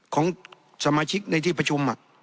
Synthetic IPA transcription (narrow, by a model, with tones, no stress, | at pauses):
kʰɔː˩˦ŋ | sa˧maː˧t͡ɕʰi˦˥k̚na˧jt̪ʰiː˥˩pa˧t͡ɕʰo˧ma˨˩ʔ